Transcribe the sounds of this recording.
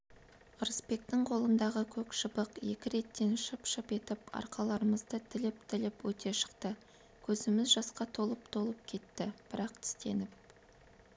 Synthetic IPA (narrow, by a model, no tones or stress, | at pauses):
ʊɾəspe̞k̚t̪ɪŋqʰo̞lˠənd̪ɑʁəkʲʰɵkʃəbəqje̞kʲɪɾe̞t̪ːe̞nʃəpʃəpe̞t̪ɪpɑ̰ɾqɑlˠɑɾəməzd̪ət̪ʰɪlɪp̚t̪ʰɪlɪpwɵt̪ʰe̞ʃə̥qt̪ə | kʲʰɵzɪmɪzʒɑsqɑt̪ʰo̞lˠəpt̪ʰo̞lˠəp̚kʲʰe̞t̪ːɪb̥ɪɾɑqt̪ʰʏ̥st̪e̞nɪp̚